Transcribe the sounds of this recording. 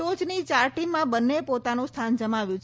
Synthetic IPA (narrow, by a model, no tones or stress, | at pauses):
od͡ʒnit͡ʃaɾʈimːãbənːepot̪anũst̪ʰand͡ʒəmaʋjũt͡ʃʰ